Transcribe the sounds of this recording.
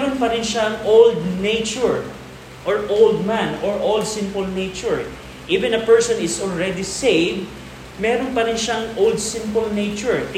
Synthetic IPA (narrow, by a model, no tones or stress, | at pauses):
ɾonpɐɾɪnʃɐŋowld̪̚nejt͡ʃʊɹ | ʔɔɹʔowld̪̚mãnɔɹʔold̪sɪ̃mpʊlnejt͡ʃʊɹ | ʔivɛ̃nɐpɛɹsɔnɪsɔlɹɛd̪isejv | mɛːɾonpɐɾɪnʃaŋʔowld̪̚sɪ̃mpʊlnejt͡ʃʊɹt̪